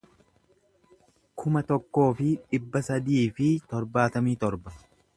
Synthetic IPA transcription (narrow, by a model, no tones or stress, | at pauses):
kʰʊmɐt̪ɔkːo̞ːfɪᶑɪbːɐsɐd̪iːfɪt̪ɔɾbaːt̪ɐmiːt̪ɔɾbɐ